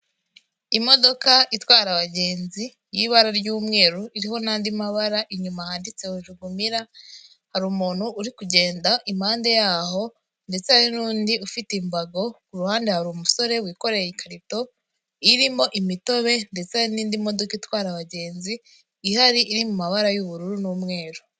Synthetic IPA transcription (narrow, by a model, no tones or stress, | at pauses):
imo̞do̞kaʔitwaːɾaβaɟe̞ːnzi | jiβaɾaɾɟuːmŋe̞ːɾuʔiɾiho̞naːndimaβaɾaʔiɲumahaːndit͡se̞huʒuɡumiɾa | haɾuːmuːn̥huʔːɾikuɟe̞ːndaʔimhaːnde̞jaːɦo̞ | nde̞t͡sehaɾinuːndiufitimbaɡo̞kuɾuhaːndehaɾumuso̞ɾe̞wiːko̞ɾe̞jikʰaɾito̞ | iɾimo̞ʔimito̞βe̞nde̞t͡seaniːndimo̞do̞kaitwaːɾaβaɟe̞ːnziː | haɾiʔːɾimumaβaɾajuβuɾuɾunuːmŋe̞ːɾu